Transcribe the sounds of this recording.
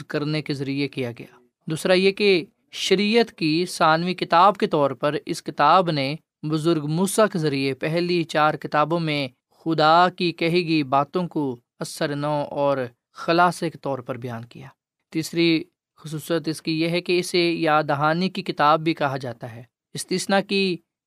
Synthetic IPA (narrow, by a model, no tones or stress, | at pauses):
kɐɾnekezɐɾijekijaɡɐjaː | d̪uːsɾajeke | ʃɐɾiːjət̪kisaːnʋikɪt̪aːbket̪ɔːɾpɐɾɪskɪt̪aːbne | bʊzʊɾɡmuːsakezɐɾiepɛɦlit͡ʃaːɾkɪt̪aːbõmẽ | xʊd̪aːkikɐɦiɡibaːt̪õko | ɐsəɾnaʔɔːɾ | xɐlaːsekt̪ɔːɾpɐɾbɐjaːnkḭjaː | t̪iːsɾi | xʊsuːsət̪ɪskijeɦɛkeɪsejaːd̪ɐɦaːnikikɪt̪aːbːʱikɐɦad͡ʒaːt̪aɦɛː | ɪst̪iːsnaki